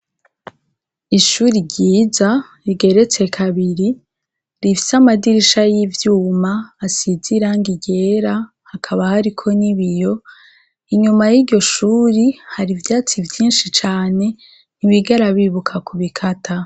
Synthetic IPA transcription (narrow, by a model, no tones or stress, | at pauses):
iʃuːɾiɾɟiːza | ɾiɡe̞ɾe̞t͡se̞kʰaβiɾi | ɾifi̥samadiɾiʃajivjuːmaːsiziɾaŋɡiɟe̞ɾa | hakʰaβahaɾikʰo̞niβijo̞ | iɲumajiɾɟo̞ʃuːɾihaɾivjaːt͡sivjiːnʃit͡ʃaːne̞ | niβiɡaɾaβiβukʰakuβikʰatʰa